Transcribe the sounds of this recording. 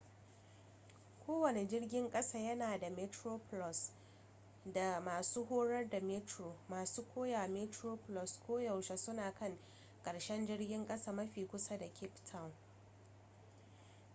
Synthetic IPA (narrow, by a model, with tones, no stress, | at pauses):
kʷʰoː˦wɐ˨ne˨d͡ʒɪ˦rɡʲɪ˦ŋkʼɐ˦saː˦jɐ˦naː˨da˨me˦tɾoː˦plɔ˨s | da˨maː˨suː˦ɦoː˦ɽɐ˦rda˨me˦tɾoː˨maː˨suː˦kʷʰoː˦jaː˨me˦tɾoː˦plɔ˨skʷoː˦jɐ˨wʃa˨sʊ˦naː˨kɐ˦ŋ | kʼɐ˨ɽʃɛ˦nd͡ʒɪ˦rɡʲɪ˦ŋkʼɐ˦saː˦˨mɐ˦ɸiː˨kʷʊ˦sa˦da˨kʲʰɪ˦ptʰa˦˨w